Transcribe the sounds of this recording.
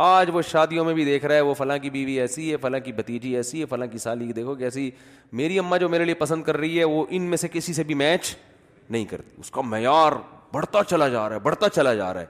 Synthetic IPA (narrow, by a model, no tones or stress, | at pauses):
aːd͡ʒʋoʃaːd̪ijõmẽbʱid̪eːkʰɾaaɦɛʋofɐlãk̬ibiːʋiɛːsiɦɛfɐlãːkibɐt̪iːd͡ʒiɛːsiɦɛfɐlãːkisaːlikd̪eːkʰokɛːsi | meːɾiɐmːad͡ʒoːmeːɾeliepɐsə̃nd̪̚kɐɾːɐɦiɦɛʋoʔɪnmẽsekɪsisebʱimɛːt͡ʃ | nɐɦĩkɐ̰ɾt̪i̥ʊ̰skamɛjaːɾbɐɽt̪at͡ʃɐlad͡ʒaːɾaɦɛbɐɽt̪at͡ʃɐlad͡ʒa̰ːɾa̰ɦɛ̰ː